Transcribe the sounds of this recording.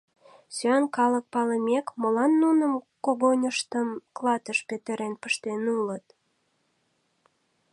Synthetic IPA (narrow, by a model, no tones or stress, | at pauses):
syɑnkɑlək̚pɑləmekməlɑnːunəmkoɣonʲəʃt̪əmklɑt̪əʃpet̪əɾenpəʃt̪enulət̪